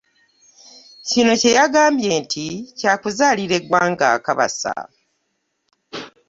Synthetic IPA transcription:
cino̞ce̞jaɡaːmbje̞ːntʰicaːkuzaːliɾe̞ɡwaːŋɡa̰ːkaβa̰sa̰

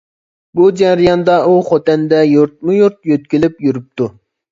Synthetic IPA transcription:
bud͡ʒɛɾijɑnd̪ɑʔuχot̪ɛnd̪ɛjuɾt̪̚mujuɾt̪̚jøt̪̚kʲilɪpjyɾup̚t̪ʰu

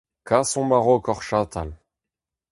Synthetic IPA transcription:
kʰasɔ̃maʁokɔʁʃat̪ʰal

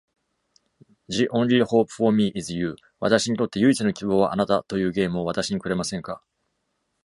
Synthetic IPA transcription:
d͡ʑiʔõnlʲiho̞ːpɯ̟̥fo̞mʲiʔizɨjɯː | βa̰t̪aɕiɲ̟it̪o̞t̪ːe̞jɯ̟it͡sɨno̞kʲibo̞ːβaʔa̰nat̪at̪o̞jɯ̟ːɡe̞ːmɯ̟o̞βat̪aɕiɲ̟ikɯ̟ɾe̞masẽ̞ŋka

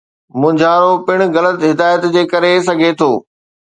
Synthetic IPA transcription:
mʊ̃ːɲd͡ʑʱaːɾopɪɽ̃ʊ̆ɣɐlət̪ɦɪd̪aːjət̪d͡ʑeːkɐɾes̬ɐɡʱet̪ʰoː

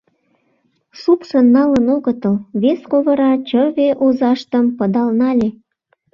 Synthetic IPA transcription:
supʃənːɑlənoɣət̪əlβeskoβə̆ɾɑt͡ɕəβeʔozɑʃt̪əmpəd̪ɑlnɑlʲe

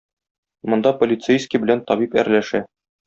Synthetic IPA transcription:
mŏnd̪ɑpolʲɪt̪sejskʲibɘ̆lænt̪ɒbipæ̰ɾlæʃæ

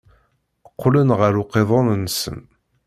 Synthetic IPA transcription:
əqːlənʁəɾʊqːeðˤɑnnsə̰n

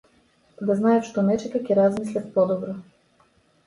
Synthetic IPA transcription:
d̪aznaɛfʃt̪ɔnɛt͡ʃɛkəkʲɛɾazmislʲɐt̪pɔd̪ɔbɾɔ

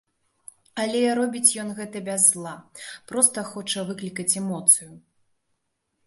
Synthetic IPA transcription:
ɐlʲɛɾɔbʲit͡sʲjɔnɣɛt̪ɐbʲazːlˠapɾɔst̪ɐxɔt͡ʂɐvɨklʲikɐt͡sʲɛmɔt̪sɨju

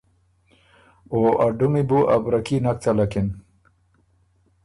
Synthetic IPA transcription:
oʔaɖumibuʔabɾakinak̚t͡salakin

